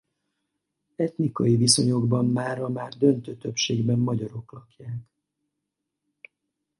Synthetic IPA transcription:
ɛt̪nikɒjiviso̞ɲo̞ɡbɒmːaːɾɒmaːrd̪ø̞nt̪øːt̪ø̞pʃeːɡbɛmːɒɟɒɾo̞klɒkjaːk

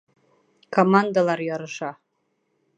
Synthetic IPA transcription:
kʰomand̪alˠɑɾjɒɾɤ̆ʃɑ

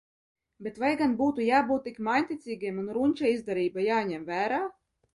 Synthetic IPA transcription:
bʲet̪vajɡanbuːt̪ujaːbuːt̪ːikmajnʲt̪ʲit̪sʲiːɡʲiɛmunɾuɲʲt͡ʃaizd̪aɾiːbajaːɲʲɛmvæːɾaː

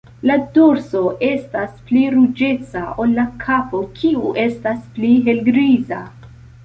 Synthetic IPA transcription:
laduɾso̞ʔe̞staspliɾud͡ʒe̞t͡saʔolːakʰapo̞kʰiuʔe̞staspliɦe̞lɡɾiza

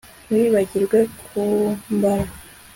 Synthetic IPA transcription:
wiβaɟiɾɡwe̞kʰumbaɾa

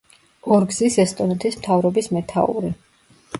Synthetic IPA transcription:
ɔɾɡzisɛst̪ʼɔnɛt̪ʰismt̪ʰavɾɔbismɛt̪ʰa̰ṵɾi

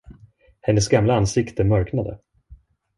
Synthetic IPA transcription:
hɛnːəsɡamlaansɪkt̪əmœɾknad̪ə̰

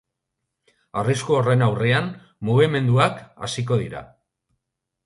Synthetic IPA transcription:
ariskuore̞nawre̞an | muɣ̞ime̞nd̪uaka̰sik̬o̞ðiɾa̰

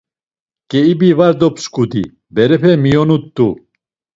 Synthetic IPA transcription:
kʼɛibivaɾd̪ɔpskʼud̪ḭ | bɛɾɛpʰɛmijɔnut̪ːu

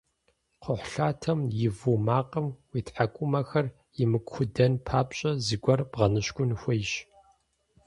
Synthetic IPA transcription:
qəħʷɬaːtʰɐmjɪvumaːqʼɐmwiːtħakʷʼʊmɐxɐr | jɪmɨkʷxʰʷʊdɐnpʰaːpɕʼɐzɨɡʷɔrb̥ʁɐnɨɕkʷʼʊnxʷɐjʒ

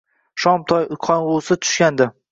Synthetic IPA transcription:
ʃɒmt̪ʰɒjʊkʰɒnʁosɪt̪ʰʊ̥ʃkʲand̪ɪ

